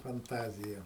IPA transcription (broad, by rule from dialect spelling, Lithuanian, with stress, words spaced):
fɐnˈtɑːzʲɪjɛ